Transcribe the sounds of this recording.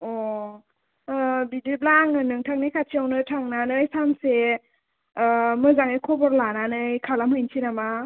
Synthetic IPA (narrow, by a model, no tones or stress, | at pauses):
ɔ | bidiblaŋnɯnɯŋtʰaŋnijkʰat͡ʃʰiawnɯtʰaŋnanɯjsanse | mɯzaŋɯjkʰɔbɔɾlananɯjkʰalamhɯjnsʰinama